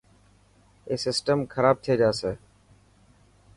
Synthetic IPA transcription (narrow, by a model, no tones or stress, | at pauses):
eːsɪsʈəmkʰəɾaːb̚t̪ʰeːd͡ʒaːseː